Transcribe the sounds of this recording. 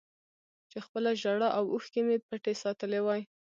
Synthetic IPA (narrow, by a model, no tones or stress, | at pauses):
t͡ʃexpəlaʒaɽaʔawuxkemepəʈesɑt̪əlewɑj